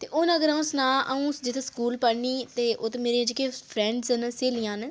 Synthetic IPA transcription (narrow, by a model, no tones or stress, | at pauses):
t̪eːʔʊnəɡəɾãːʊsnãːʔəũːsd͡ʒɪt̪ʰskuːlpəɽniːt̪eːʔʊt̪meːɾẽd͡ʒkeːpʰɾɛ̃ːɳɖsənseːlijãːn